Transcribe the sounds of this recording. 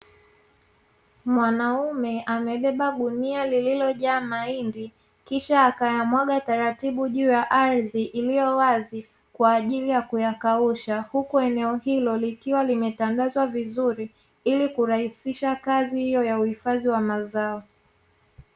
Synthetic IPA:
mwanaumɛʔamɛɓɛɓaɗunialililɔʄaːmaindi | kiʃaːkajamwaɠataɾatiɓuʄuːjaʔaɾðiʔilijɔwazi | kwaːʄilijakujakauʃahukuɛnɛɔhilɔlikiwalimɛtandazwavizuɾi | ilikuɾahisiʃakazihijɔjauhifaðiwamazaɔ

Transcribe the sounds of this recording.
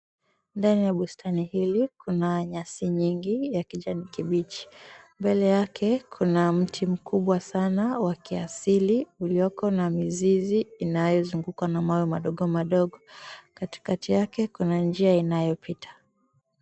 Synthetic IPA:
ndanijaɓustʰanihilikunaɲasiɲiŋɡijakiʄanikiɓit͡ʃi̥mbɛlɛjakʰɛkʰunam̩tʰim̩kuɓwasanawakiasiliulijɔkɔnamiziziːnajɔzuŋɡukwanamawjɛmaɗɔɠɔmaɗɔɠɔkati̥katijakɛkunand͡ʒiainajɔpʰitʰḁ

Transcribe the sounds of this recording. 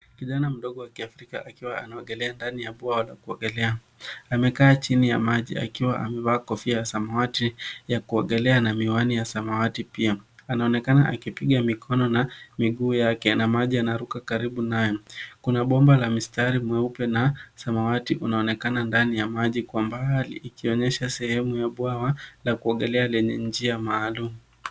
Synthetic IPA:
kiʄanam̩ɗɔɠɔwakiafɾika̰ʔakiwaanaɔɡɛlɛandanijaɓwaɔlakuɔɡɛlɛa | amɛkaːt͡ʃinijamaʄḭa̰kiwaʔa̰mɛvaːkɔfiajasamawatijakuɔɠɛlɛanamiwanijasamawatipiaanaɔnɛkanaʔakipiɠamikʰɔnɔnamiɠuːjakɛnamaʄianaɾukakaɾiɓunajɔkunaɓɔmbalamistaɾimwɛupɛnasamawatiʔunaɔnɛkanandanijamaʄikwambaɦalḭʔːkiɔɲɛʃasɛhɛmujaɓwawalakuaɠɛlɛalɛɲɛnd͡ʒiamaːlumu

